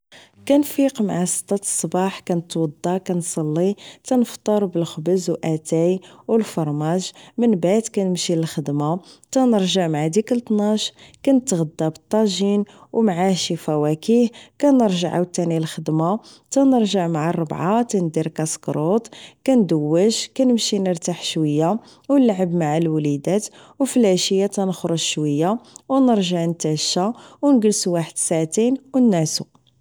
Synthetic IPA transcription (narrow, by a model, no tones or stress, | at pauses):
kænfiqmaʕasə̥t̪ːɑt̪sˤːbɑħkænət̪wɑd̪ˤːɑkænsˤɑlːit̪ænəft̪ˤːəɾˤbəlxəbəzwʔæt̪æjwəlfɑɾˤmæʒmənbad̪kænəmʃiləlxəd̪mat̪ænəɾʒəʕmaʕad̪ikəlt̪nɑʃkænət̪ːɣəd̪ːɑbət̪ˤːɑʒinwmʕaʃifæwækihkænəɾʒəʕa̰wt̪ːænilxəd̪ma | t̪ænəɾʒəʕmaʕarˤːəbʕat̪ænd̪iɾkɑskɾˤot̪kænd̪əwːəʒkænəmʃinəɾt̪aħʃwəjːa | wəlːaʕəbmaʕalwlid̪æt̪ | wflæʃəjːat̪ænxɾˤəʒʃwəjːawnəɾʒaʕnt̪æʃawnɡəlsuwaħəd̪saʕt̪inwənːæsu